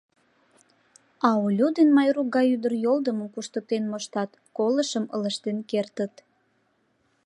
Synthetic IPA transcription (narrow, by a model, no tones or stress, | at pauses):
ɑolʲud̪enmɑjruk̚ɡɑjyd̪ərjold̪əməmkuʃt̪ət̪enmoʃt̪ɑt̪ | koləʃəmə̰ləʃt̪enkert̪ət̪